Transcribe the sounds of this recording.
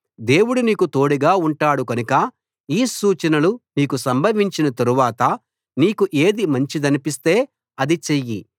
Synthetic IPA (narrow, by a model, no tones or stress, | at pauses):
d̪e̞ːwuɽuniːkut̪o̞ːɽiɡaːuɳʈaːɽukɐnukɐ | iːsuːt͡ʃɐnɐluniːkusɐmbʱɐʋiɲt͡ʃinɐt̪ɐɾuʋaːt̪ɐ | niːkuʔe̞ːd̪imɐɲt͡ʃid̪ɐnipist̪e̞ː | ɐd̪it͡ʃeji